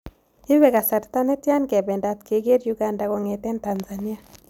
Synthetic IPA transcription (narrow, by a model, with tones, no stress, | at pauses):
i˦βɛ˨ka˨sa˨ɾta˦ne˦tja˦nkɛ˨bɛ˨nda˨t̚ke˨ɡe˦ɾjuɡa˨nda˨ɣo˨ŋe˨tɛ˦nta˨nzani˦a˨